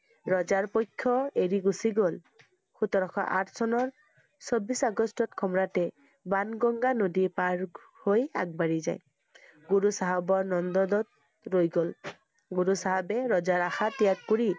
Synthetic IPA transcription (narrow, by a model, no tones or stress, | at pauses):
ɹɔzaɹpojkʰːɔeɹiɡusiɡol | xutɔɹɔkʰɔ̰ʔa̰tʰsɔnɔɹ | sobisaɡɔstɔtkʰɔmɔɹatɛ | banɡɔŋɡanodipaɹ | hoja̰ɡ̚baɹiza̰j | ɡuɹusaɦabɔɹnɔndɔdɔt̚ | ɹojɡol | ɡuɹusaɦabɛɹɔzaɹaxatijakkuɹi